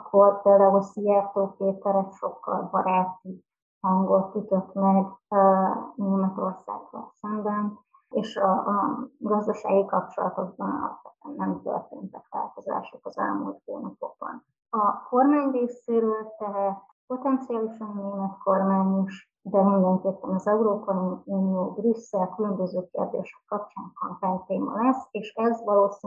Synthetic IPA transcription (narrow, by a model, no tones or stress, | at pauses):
kʰorpeːld̪aːɦulsijaːt̪oːkeːt̪ɛɾɛkʃo̞kːɒ̰lbɒɾaːt̪i | hɒŋɡo̞t̪ːyt̪øt̪mɛɡ | neːmɛt̪o̞rsa̰ːɡrɒ̰lsɛmbɛn | eːʃɒ | ɡɒzd̪ɒʃa̰ːɡikɒp̚t͡ʃo̞lɒt̪o̞ɡ̚bɒnɒ̰lɒ̰pʋɛt̪ɛnːɛmt̪ø̰rt̪ḛːnt̪ɛkʋa̰ːlt̪oza̰ːʃokɒzɛ̰lmṵlt̪ḛːnɒpo̞ɡ̚bɒ̰n | ɒko̞rmaːɲreːseːɾøːlt̪ɛɦɛt̪ | po̞t̪ɛnt̪siaːliʃɒnneːmɛt̪ko̞rmaːɲiʃ | d̪ɛmind̪ɛŋkeːpːɛnɒzɛuɾoːpɒiuniobrisːɛkylømbøzøːkeːrd̪ḛːʃɛ̥kːɒp̚t͡ʃaːŋkɒŋvɛlt̪eːmɒ̰lɛseːʃɛzʋɒloːs